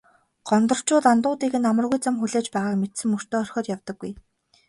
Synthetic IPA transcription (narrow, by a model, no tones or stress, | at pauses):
ɢ̥ɔnt̪ɞ̆r̥t͡ɕʊːt̪ant̪ʊːt̪iːɣɘ̆namə̆rɣujt͡samxuɮeːt͡ɕpæːʁaːkmet̪sɘ̆ŋur̥t̪oːœr̥ʲxʲɔːt̪jawt̪ɞ̆ɡːuj